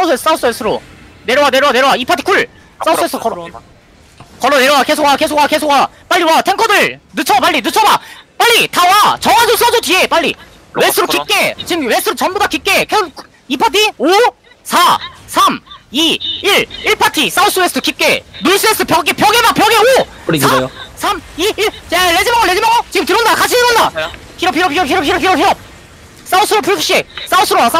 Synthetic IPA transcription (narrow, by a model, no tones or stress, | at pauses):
sausʰɯes͈ʰɯ̥s͈aus͈ʰɯwes͈ʰɯɾone̞ɾjowane̞ɾʌwaneʌwaipʰatʰi̥kʰuɭ | s͈aus͈ʰɯesʰɯokʌ | kʌɾoneɾowake̞sʰoɡwake̞sʰoɡwake̞sʰoɡwap͈aɭːiwatʰe̞ŋkʰʌdɯɭnɯt͡ɕʰʌpaʎːinɯt͡ɕʰʌbap͈aʎːitʰawat͡ɕʌŋad͡ʑʰos͈ʰʌsʰotie̞p͈aɭːḭ | wes͈ʰɯɾokik͈e̞t͡ɕimwesʰɯɾot͡ɕʌnbodakip̚k͈ekʰesʰo | ipʰat̬ʰio | sʰasʰamiiɭiɭpʰatʰis͈auns͈ʰɯwes͈ʰɯtʰɯkip̚k͈enuɭs͈ɯes͈ʰɯpjʌɡepjʌɡemapjʌɡeo | ɾisʰamiiɭeled͡ʑimaŋɯɭed͡ʑimaŋʌt͡ɕiɯmtɯɾondakat͡ɕʰiiɾonda | pʰiɾʌpʰiɾʌpʰiɾʌp̬̚ʰiɾʌpʰiɾʌpʰiɾʌpʰiɾʌp̚ | s͈aus͈ʰɯɾopʰupʰɕ͈es͈aus͈ʰɯɾos͈a